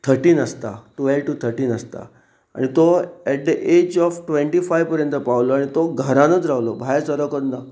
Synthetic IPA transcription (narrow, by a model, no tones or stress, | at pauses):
t̪ʰəɾʈiːnəst̪a̰ʈʋɛlʋʈut̪ʰəɾʈiːnəst̪a̰ | a̰ɽ̃it̪oɛʈ̚d̪əʔed͡ʑɔfʈʋẽɳʈifajʋpəɾjənt̪əpaʋloaɽ̃it̪oɡʱəɾãnət͡sɾaɦlobʱajsəɾəkəɾnə